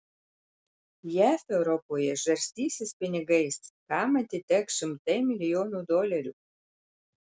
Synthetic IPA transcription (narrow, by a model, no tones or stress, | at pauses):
jæfɛwɾopojɛʒɛrʲsʲt̪ʲisʲɪspʲɪnʲɪɡəjskɑmɐt̪ʲit̪ʲɛkʃɪmt̪ɐjmʲilʲionud̪olʲæɾʲu